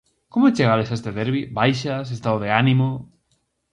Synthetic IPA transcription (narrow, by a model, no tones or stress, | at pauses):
komoet͡ʃeɣalesaest̪eðeɾβibajʃas̬est̪aðoðeanimo